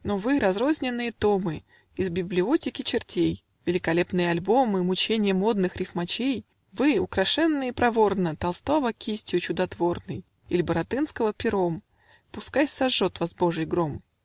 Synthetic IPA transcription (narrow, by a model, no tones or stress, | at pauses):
novɨɾɐzɾo̞zʲnʲɪnːɨjət̪o̞mɨ | ɪzbʲɪblʲɪo̞tʲɪkʲɪt͡ɕɪrtʲej | vʲɪlʲɪkɐlʲe̞pnɨjəɐlʲbo̞mɨmʊt͡ɕenʲɪjəmo̞d̪nɨxɾʲɪfmɐt͡ɕej | vɨʊkɾɐʂɛnːɨjəpɾɐvo̞rnət̪ɐlˠst̪o̞vəkʲisʲtʲɪjʊt͡ɕʊd̪ɐt̪vo̞rnɨj | ilʲɪbəɾɐt̪ɨnskəvəpʲɪɾo̞m | pʊskajsɐʐːo̞t̪vɐzbo̞ʐɨjɡɾom